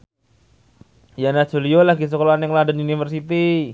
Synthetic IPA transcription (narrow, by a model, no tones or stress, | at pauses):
janḁd͡ʒoliolaɡis̬əkolaanaŋladaniunifərsit̪i